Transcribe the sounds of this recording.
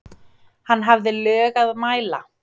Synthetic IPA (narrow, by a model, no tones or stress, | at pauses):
hanːɦavðɪlœːɣaðmaːjla̰